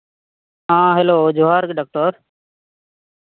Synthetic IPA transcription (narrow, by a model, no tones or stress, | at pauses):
ɦãːɦeːloːd͡ʒoːɦaːɾkɖaːk̚ʈəɾ